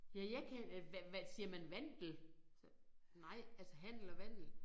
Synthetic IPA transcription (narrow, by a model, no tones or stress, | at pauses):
jæjæɪkʰæʋʋæsiːɐmænʋæn̰d̥l̩s | nɑ̈ɪ̰ælsəɦæn̰d̥l̩ɒʋæn̰d̥l̩